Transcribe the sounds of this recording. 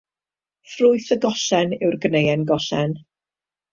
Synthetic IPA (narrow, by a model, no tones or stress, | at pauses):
frʊɨθəɡɔɬɛnɪwrɡnejɛnɡɔɬɛn